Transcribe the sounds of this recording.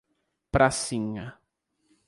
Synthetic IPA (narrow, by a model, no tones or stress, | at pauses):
pɾasĩɲɐ